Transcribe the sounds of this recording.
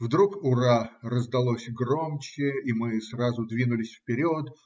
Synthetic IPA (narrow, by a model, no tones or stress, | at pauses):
vd̪ɾukʊɾarəzd̪ɐlˠosʲɡromt͡ɕɪimɨsrazʊd̪vʲinʊlʲɪsʲfpʲɪɾʲot̪